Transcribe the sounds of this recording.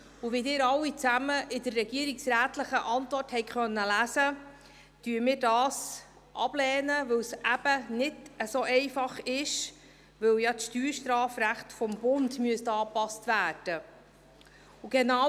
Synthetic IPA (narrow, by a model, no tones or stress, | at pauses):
ʊʋidɪːɾɑwːit͡sæməʔɪdəɾːɛɡiəɾiksɾæːtləχəʔɑntvɔrthɛɪkχœnːəlæsə | tyːmɪːɾdɑːs | ʔɑ̰b̥lɛːnəʋɵwsʔæb̥ənɪdəsoːʔɛɪfɑχɪʃ | ʋɵwjɑtʃtyːɾʃtɾɑːfɾæχtfɔmbʊndmyəstɑːpɑstvæːd̥ə | ʊɡ̥ɛnɑ